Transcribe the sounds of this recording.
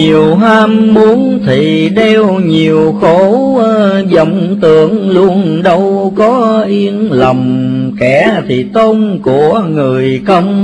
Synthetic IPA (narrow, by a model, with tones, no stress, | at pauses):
i˨˩əwɦaː˧mːu˨˦ənt̪ʰi˨˩ɗe˧wɲi˨˩əwxo˧˥˧ | zə̰˨˩wŋ͡mt̪ɨ̰˧˩˨əŋlu˧ənɗə˧wkɔ˨˦ʔi˧ənlə˨˩ŋ͡mkɛ˧˩t̪ʰi˨˩t̪o˧nku˧˩əŋɨ˨˩əjkə˧wŋ͡m